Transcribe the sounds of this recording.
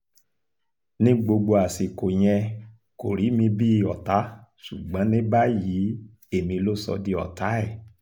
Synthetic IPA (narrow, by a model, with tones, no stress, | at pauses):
nĩ˦ɡ͡bo˧ɡ͡bo˧a˨si˨ko˨j̃ɛ̃˧ | ko˨ɾi˨˦mĩ˧bi˦˧ɔ˨ta˨˦ʃṵ˨ɡ͡bɔ̃˨˦nĩ˦ba˦ji˨˦ | e˦˨mĩ˧lo˦sɔ̰˧di˧ɔ̰˨ta˨˦ɛ˦˨